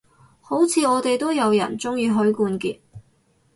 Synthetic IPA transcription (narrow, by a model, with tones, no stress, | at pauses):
ho˨˥wt͡sʰiː˧ɔː˨˧t̪e˨jt̪o˥wjɐ˨˧wjɐ̰˨˩nt͡sʊ˥ŋjyː˧ɦɵ˨˥ɥkuː˧nkiː˧t̚